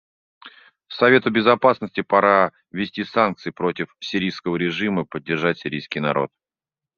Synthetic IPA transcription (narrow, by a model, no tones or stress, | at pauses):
sɐvʲe̞t̪ʊbʲɪzɐpasnəsʲtʲɪpɐɾa | vʲɪsʲtʲisank̚t̪sɨjpɾo̞tʲɪfsʲɪɾʲijskəvəɾʲɪʐɨməpədʲːɪrʐatʲsʲɪɾʲijskʲɪjnɐ̰ɾʔo̞̰t̪̚